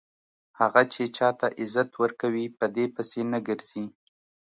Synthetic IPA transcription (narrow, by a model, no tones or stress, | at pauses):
haɣat͡ʃet͡ʃɑt̪aʔɪzat̪wəɾkawipəd̪epəsenəɡəɾz̥i